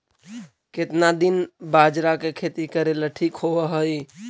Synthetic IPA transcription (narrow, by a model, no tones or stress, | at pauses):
kɪt̪nad̪inbad͡ʒɾakekʰet̪ikəɾeləʈʰikɦoʋəɦəj